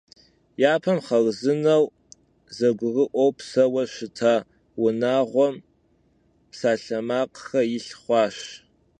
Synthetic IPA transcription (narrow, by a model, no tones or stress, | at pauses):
jaːpʰɐmχɐlzɨnɐw | zɐɡʷʊrɨʔʷɔwpsɐwɐʃɪtʰaː | wʊnaːʁʷɔm | psaːɬɐmaːqxɐjɪɬχʷɑːʃ